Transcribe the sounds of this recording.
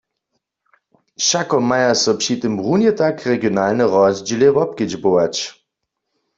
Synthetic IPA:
ʃakɔmajasɔpʃit̪ɨmbʁunjɛt̪akʁeɡjonalnɛʁɔzd͡ʒilɛvɔp̚kɪd͡ʑbowat͡ʃ

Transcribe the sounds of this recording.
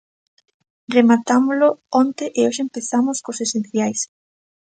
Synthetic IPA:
remat̪amoloɔnt̪eʔeoʃeempeθamʊskosesẽnθjajs

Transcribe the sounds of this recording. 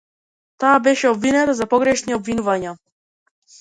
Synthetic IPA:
t̪aabɛʃɛɔbvinɛt̪azapɔɡɾɛʃniɔbvinuvaɲa

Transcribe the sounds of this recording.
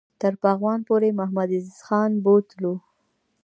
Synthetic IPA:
t̪əɾpɑɣwɑnpoɾemaɦmad̪ɪzxɑnbot̪lu

